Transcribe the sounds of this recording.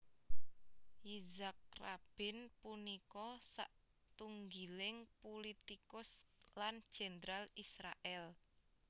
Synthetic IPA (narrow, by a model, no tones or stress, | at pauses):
izak̚rab̥ɪ̤npunikɔsa̰ʔ | t̪uŋɡilɪŋpolit̪ikʊsland̥ʒ̥end̪ɾalisɾaʔɛl